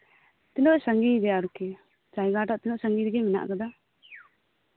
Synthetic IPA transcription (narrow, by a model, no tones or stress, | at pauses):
t̪inɔʔsaŋɡid̪ɛaɾukɛ | d͡ʒajɡaʈaʔt̪inɔʔsaŋɡid̪ɛɡɛmɛna̰ʔkad̪a